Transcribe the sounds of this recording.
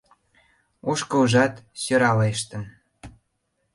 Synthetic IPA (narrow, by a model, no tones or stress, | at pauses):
oʃkɤuʒɑt̪søɾɑleʃt̪ə̆n